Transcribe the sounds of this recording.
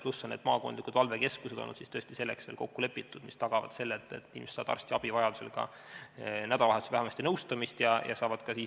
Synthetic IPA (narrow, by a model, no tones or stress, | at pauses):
plusːonːed̪̥mɑːkond̪likud̪vɑlve̞ke̞skuse̞d̪o̰nːṵd̪sist̪ø̞st̪ise̞lːe̞̰ksveːlko̞̰kːule̞pːˑit̪ːud̪̥mist̪ɑɡ̥ɑvɑ̰d̪̥se̞lːet̪ːˑḛt̪iːmese̥sɑ̰ːd̪ɑ̰rst̪iɑb̥ivɑjɑd̪̥u̥se̞̰lkɑ̰ | næd̪ɑlɑlɑhed̪u̥svæhæmɑsʲt̪inɤwst̪ɑmist̪jɑjɑ̰sɑːvɑd̪̥kɑsiː